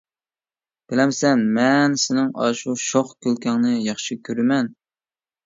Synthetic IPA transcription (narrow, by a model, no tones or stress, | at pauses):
b̥ɪlɛmsɛnmɛnsɪnɪŋɑ̰ʃuʃoχkʲølkʲɛŋnɨjɑχʃikʲʰøɾɪmɛn